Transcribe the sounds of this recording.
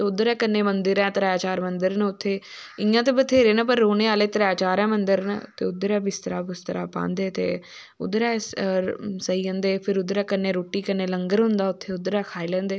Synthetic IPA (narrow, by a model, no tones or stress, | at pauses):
t̪eʊd̪əɾɛːkənːeːmənd̪əɾɛ̃ːt̪ɾaːt͡ʃaːɾmənd̪əɾnʊt̪ʰːeː | ɪjãːt̪eːbət̪ʰeːɾeːnapəɾːoːneːaːleːt̪ɾɛːt͡ʃaːɾɛ̃ːmənd̪əɾn̰t̪eːʊd̪əɾɛ̃ːbɪst̪əɾaːbɪst̪əɾa̰ːpã̰ːnd̪eːt̪ḛː | ʊ̰d̪əɾɛːs | səiːɦə̃nd̪eːpʰɪɾʊd̪əɾɛːkənːeːɾoːʈiːkənːeːləŋɡəɾɦʊnd̪aːʊt̪ʰːeːʊd̪əɾɛːkʰaːelɛ̃ːnd̪eː